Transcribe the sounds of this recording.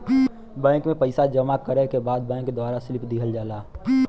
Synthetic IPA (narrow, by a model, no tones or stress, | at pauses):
bɛ̃ːŋkmẽpəɪsad͡ʒəmakəɾɛkebaːd̪̚bɛ̃ːŋkːd̪waːɾasɪlɪpd̪ikʰəld͡ʒaːlaː